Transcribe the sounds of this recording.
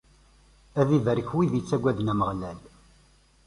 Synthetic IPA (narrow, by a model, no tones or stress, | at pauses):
æðivəɾəçwiðjət͡sːæɡʷæðnæməʁlæl